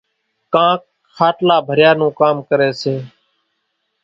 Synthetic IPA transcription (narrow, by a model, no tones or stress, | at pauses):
kãːkʰː | aːʈlaːbʱəɾɪjaːnũːkaːmkəɾeːseː